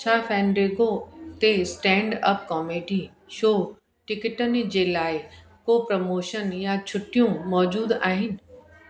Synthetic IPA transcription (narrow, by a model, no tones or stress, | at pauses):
t͡ɕʰaːfɛ̃ːnɾeːɡot̪esʈɛ̃ːɳɖəpkɔːmeːɖi | ʃoː | ʈɪkɪʈənɪ̆d͡ʑeːlaːɪ | koːpɾɐmoːʃənjat͡ɕʰʊʈijũmɔːd͡ʑuːd̪aːɦɪnɪ̆